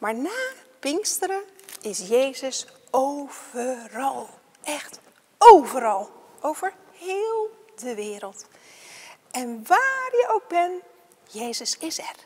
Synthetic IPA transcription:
maːɹnaːpɪŋstəɾəɪsjejzəs | owv̥ərɑlˠ | ʔɛχt | owvəɾɑlˠowv̥əɹ | hɪːlˠdəʋɪːɾəlˠt | ɛnʋaːrjəʔowɡ̚bɛn | jejzəsɪsɛr

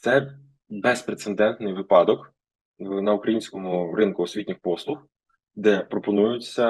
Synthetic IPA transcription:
t̪sɛ | bɛspɾet̪send̪ɛnt̪nɪjʋɪpɑd̪ɔk | nɐukɾɐjinʲsʲkɔmʊɾɪnkʊɔsʲʋʲitʲnʲɪxpɔslˠʊx | d̪ɛpɾɔpɔnujʊt͡sʲːɐ

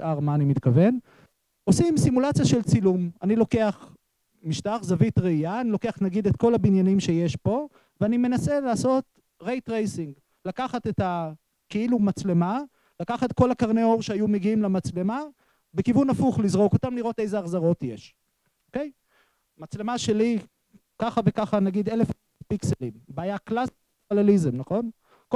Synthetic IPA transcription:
ʔaʁmaːnimit̪kave̞n | o̞simsimulat͡sijaʃe̞lt͡silumanilo̞ke̞aχ | miʃtaχzavitʁeijaːniloke̞aχtnaɡid̪etko̞labinjanimʃeje̞ʃbo̞ | veanime̞nase̞laːso̞t | ʁejtʁejsiŋɡ | lakaχate̞ta | kiilumat͡sle̞ma | lakaχat̪ko̞lakaʁneo̞ʁʃeajumeɡiimlemat͡sle̞ma | be̞kivunafuχlizʁo̞ko̞tamliʁo̞te̞jzeaχzaʁo̞tjeʃ | oke̞j | mat͡sle̞maʃe̞li | kaχave̞kaχanaɡid̪e̞lef | tpikselimbeajaklas | alelizemnaχo̞n | ko

